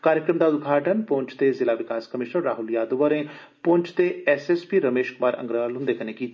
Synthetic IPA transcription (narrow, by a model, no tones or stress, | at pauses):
kaːɾjəkɾəmd̪aːʊd̪ɡʱaːʈənpoːɲt͡ʃʰt̪eːzɪlaːʋɪkaːskəmɪʃnəɾːaːɦʊljaːd̪uʋəɾẽː | põːɲt͡ʃt̪eɛseːspiːɾəmeːʃkʊmaːɾə̰ŋɡɾəalɦʊ̃nd̪eːkənekiː